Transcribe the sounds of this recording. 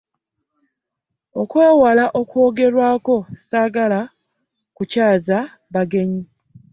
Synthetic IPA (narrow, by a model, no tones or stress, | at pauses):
o̞kweːwalaʔo̞kwo̞ːɡe̞ɾwaːko̞saːɡala | kucaːza | βaɡe̞ɲi